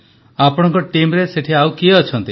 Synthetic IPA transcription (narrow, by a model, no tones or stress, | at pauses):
apɔɽ̃ɔ̃ŋkɔʈimɾeseʈʰiawkieɔt͡ʃʰɔnt̪i